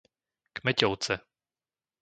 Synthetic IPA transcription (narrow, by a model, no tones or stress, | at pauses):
kmɛcowt͡sɛ